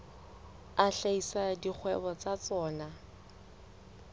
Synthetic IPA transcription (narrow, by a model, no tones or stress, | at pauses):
aɬaisadik͡xʰwɛ̰bɔt͡sat͡sɔːna